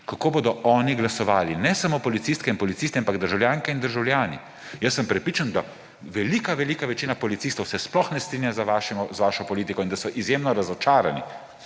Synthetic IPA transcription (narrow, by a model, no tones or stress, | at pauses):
kakoːboːd̪ɔʔɔːniɡlasɔʋaːlinɛsamoːpɔlit̪sist̪kɛinpɔlit̪sist̪ɛampaɡd̪əɾʒawljaːŋkɛind̪əɾʒawlʲjaːnḭ | jəsːəmpɾɛpɾiːt͡ʃand̪a | ʋɛlikaʋɛliːkaʋɛt͡ʃiːnapɔlit̪siːst̪ɔwsɛsplɔxnɛst̪ɾiːnjazaʋaːʃɛmɔzʋaːʃɔpɔliːt̪ikɔind̪asɔʔizjeːmnɔɾazɔt͡ʃaːɾanḭ